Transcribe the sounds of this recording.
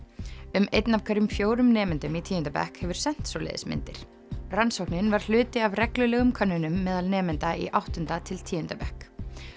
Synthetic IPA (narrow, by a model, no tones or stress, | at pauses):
ʏmejt̪nav̥kʰvɛɾʏmfjoːwɾʏmnɛːmɪnt̪ʏmit̪ʰiːʏnt̪apɛ̰hkhɛvʏɾ̥sɛn̥t̪solḛjðɪ̰smɪ̰nt̪ɪ̰ɾ̥ | ransowhknɪnvaɾ̥l̥ʏːt̪ɪavrɛklʏlɛːɣʏmkʰœnːʏnʏmːɛːðalnɛːmɪnt̪aḭʔawht̪ʏnt̪at̪ʰɪlt̪ʰiːjʏnt̪apɛhk